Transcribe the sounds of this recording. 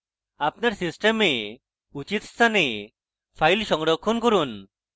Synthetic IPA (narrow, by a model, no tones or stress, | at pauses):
apnaɾsisʈeme | ut͡ʃit̪st̪ʰane | pʰajlʃɔŋɽɔkʰːɔnkɔɾun